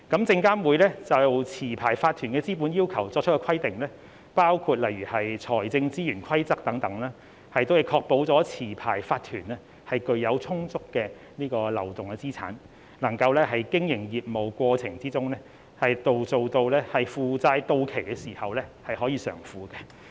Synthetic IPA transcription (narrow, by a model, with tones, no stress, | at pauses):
kɐ˨˥mt͡sɪ˧ŋkaː˥nwuː˨˧jlɛː˥t͡sɐ˨wt͡sʰiː˨˩pʰaː˨˩jfaː˧t̪ʰːyː˨˩nkɛː˧t͡siː˥p̬uː˨˥njiː˥wkʰɐ˨˩wt͡sɔː˧k̚t͡ʃʰkɛ˧kʰɐ˥jt̪ɪ˨ŋlɛː˥ | paː˥wkʰuː˧t̚lɐ˨jɥyː˨˩hɐ˨jt͡sʰɔː˨˩jt͡sɪ˧ŋt͡siː˥jyː˨˩nkʷʰɐ˥jt͡sɐ˥k̚t̪ɐ˨˥ŋt̪ɐ˨˥ŋlaː˥ | hɐ˨jt̪o˥whɐ˨jkʰɔː˧k̚po˨˥wt͡sɔː˨˥t͡sʰiː˨˩pʰaː˨˩jfaː˧t̪ʰyː˨˩nlɛː˥ | hɐ˨jkɵ˨˧ɥjɐ˨˧wt͡sʰʊ˥ŋt͡sʊ˥kːɛː˧ | niː˥kɔː˧lɐ˨˩wt̪ʊ˨ŋkɛ˧t͡siː˥t͡sʰa̰ː˨˥n | lɐ˨˩ŋkɐ˧wlɛː˥hɐ˨jkɪ˥ŋjɪ˨˩ŋjiː˨p̚mo˨˩wkʷɔː˧t͡sʰɪ˨˩ŋt͡siː˥t͡sʊ˥ŋlɛː˥ | hɐ˨jt̪o˨wt͡so˨wt̪o˧wlɛː˥hɐ˨jfuː˨˧t͡saː˧jt̪o˧wkʰe˨˩jkɛː˧siː˨˩hɐ˨wlɛː˥hɐ˨jɦɔː˨˥jiː˨˧sœ̰ː˨˩ŋfuː˨˧kɛ˧